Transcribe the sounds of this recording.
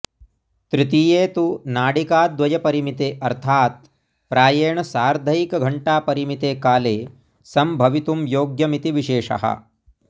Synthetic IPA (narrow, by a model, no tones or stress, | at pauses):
t̪ɾit̪iːjeːt̪unaːɽikaːd̪ʋɐjɐpɐɾimit̪eːʔɐɾt̪ʰaːt̪̚ | pɾaːjeːɳɐsaːɾd̪ʱɐjikɐɡʱɐɳʈaːpɐɾimit̪eːkaːleː | sɐmbʱɐʋit̪umjoːɡjɐmit̪iʋiʃeːʂɐ̰ɦɐ̰